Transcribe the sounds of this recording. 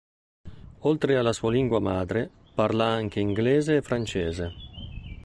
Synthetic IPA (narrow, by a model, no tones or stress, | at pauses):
olt̪ɾealːasuːaliŋɡwamaːd̪ɾe | parlaaŋk̟eiŋɡlɛːzeːfːɾant͡ʃɛːze